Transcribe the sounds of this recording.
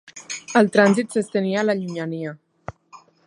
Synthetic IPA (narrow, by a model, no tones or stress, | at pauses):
əlˠt̪ɾanzit̪səst̪əniaːləʎuɲaniə